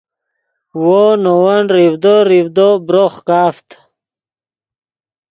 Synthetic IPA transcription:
wonowanɾivd̪oɾivd̪obɾoχkaːft̪

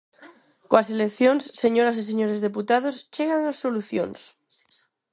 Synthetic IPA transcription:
koaselekθjonsːeɲoɾas̬is̬eɲoɾezðeput̪að̞ost͡ʃeɣ̞aŋasːoluθjo̰ns

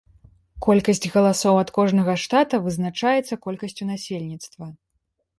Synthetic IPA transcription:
kɔlʲkɐsʲt͡sʲɣɐlˠasɔwɐt̪kɔʐnɐɣɐʂt̪at̪ɐvɨznat͡ʂajɛt̪sːɐkɔlʲkɐsʲt͡sʲunasʲelʲnʲit̪st̪vɐ

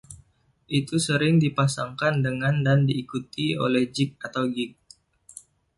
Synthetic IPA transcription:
ʔit̪usəɾɪŋdipasaŋkandəŋandandiːkut̪io̰lɛhd͡ʒɪk̚at̪awɡɪk̚

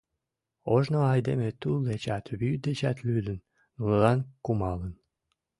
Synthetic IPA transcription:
oʒnoɑjd̪emet̪ulˠd̪et͡ɕɑt̪βyd̪et͡ɕæt̪lyd̪ənː | uləlɑnkumɑlən

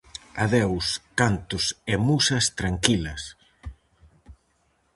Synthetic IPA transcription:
aðewskant̪ʊsemusɐst̪ɾaŋkilɐs

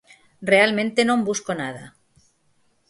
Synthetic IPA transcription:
realmẽnt̪enõmbuskonað̞a

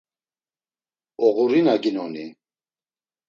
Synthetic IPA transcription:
ɔɣuɾinaɡinɔni

